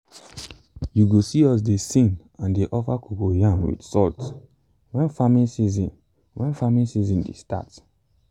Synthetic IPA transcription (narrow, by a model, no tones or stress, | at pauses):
juɡosiɔs̬desĩn | ãndeʔɔfakʰuɡojãnwḭdsɔlt | wɛ̃nfamiisizĩn | wɛ̃nfamiisizĩndḛsta̰t